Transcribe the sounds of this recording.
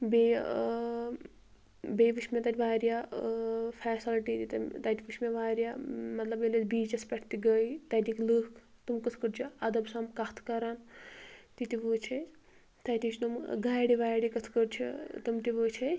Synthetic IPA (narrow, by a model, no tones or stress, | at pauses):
be | beʋɨt͡ʃʲmet̪ɐt̪ʲiʋaːɾja | pʰaːsilʈit̪it̪t̪ɐt̪ʲiʋɨʃʲmeʋaːɾjamɐt̪lɐbelɐbiːt͡ʃɐspʲɐʈʰt̪iɡɐjt̪ɐt̪iklɨk | t̪ɨmkɨt̪ʰkəɖt͡ʃʰiɐd̪ɐbsamkɐt̪ʰkɐɾɐn | t̪it̪iʋuːt͡ʃʰɐ | t̪ɐt̪it͡ʃʰnumɡaːjɽiʋaːjɽikɐt̪ʰkəɾt͡ʃʰḭt̪ɨmʈ̪iʋɨːt͡ʃʰɐ